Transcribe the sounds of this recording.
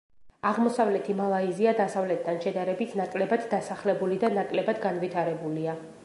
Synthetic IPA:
aʁmɔsavlɛt̪ʰimalˠaiziad̪asavlɛt̪̚ʰːanʃɛd̪aɾɛbit̪ʰnakʼlɛbad̪ːasaχlɛbulid̪anakʼlɛbad̪ɡanvit̪ʰaɾɛbulia

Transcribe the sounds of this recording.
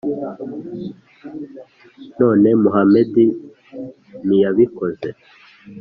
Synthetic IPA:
no̞ːne̞muɦamedi | nijaβiko̞ze

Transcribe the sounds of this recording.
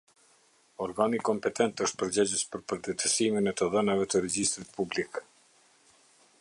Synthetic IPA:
ɔɾɡanikɔmpɛt̪ʰɛnt̪əʃt̪̚pəɾd͡ʑɛd͡ʑəspəɾpəɾd̪ɛt̪əsiminɛt̪əðɛnavɛt̪əɾɛd͡ʑist̪ɾit̪̚publik

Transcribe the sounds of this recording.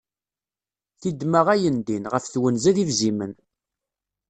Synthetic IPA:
θid̪məʁæjənd̪inʁəfθwənzæðivzimən

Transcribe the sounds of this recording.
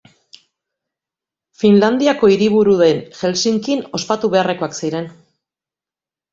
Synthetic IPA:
finland̪iako̞iɾiβ̞uɾuðe̞nʝe̞lsiŋkino̞spat̪uβe̞are̞ko̞aksiɾe̞n

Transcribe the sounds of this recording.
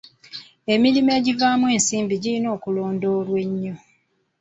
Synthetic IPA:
e̞milime̞ːɟivaːmwe̞ːnsiːmbiɟilino̞ːkulo̞ːndo̞lwe̞ɲːo

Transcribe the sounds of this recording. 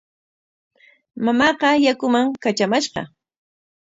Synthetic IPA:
mamɑqɑjakʊmaŋkat͡ʃamaʃqɑ̰

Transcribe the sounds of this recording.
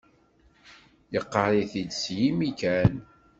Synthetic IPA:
jəqːəɾˤiθid̪sjimikæn

